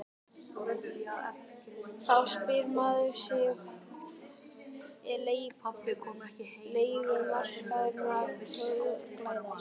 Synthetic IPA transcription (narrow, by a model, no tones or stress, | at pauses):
θawspɪɾmaːðʏɾsjɛx | ɛɾleːj | leːjɣʏɾmar̥kaðʏɾnaɾsɔʏklatɪ